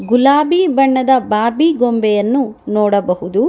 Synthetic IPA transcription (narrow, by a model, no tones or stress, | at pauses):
ɡulaːbibɐɳːɐd̪ɐbaːɾbiɡombɛjɐnːunɔːɽɐbɐhud̪u